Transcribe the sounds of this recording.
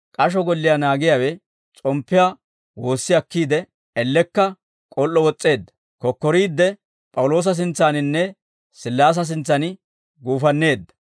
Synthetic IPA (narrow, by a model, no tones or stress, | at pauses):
kʼɐʃ̬ɔɡɔlːɪjanaːɡɪjawɛ | t͡sʼɔmpːɪjaː | wo̞ːsːɪɐkːiːd̪ɛ | ɛlːɛkːɐ | kʼɔlːɔwɔt͡sʼːe̞ːd̪ːɐ̥ | kɔkːɔɾiːd̪ːɛ | pʼɐwlo̞ːs̬ɐs̬ɪnt͡sːaːnɪnːɛ | sɪlːaːs̬ɐs̬ɪnt͡sːɐn | ɡuːfɐnːe̞ːd̪ːɐ̥